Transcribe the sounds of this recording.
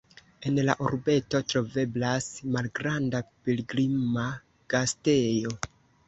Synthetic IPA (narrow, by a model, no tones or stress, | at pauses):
e̞nla̰ʔoɾbe̞to̞tɾo̞ve̞blasmalɡɾandapiliɡɾima | ɡ̥aste̞jo̞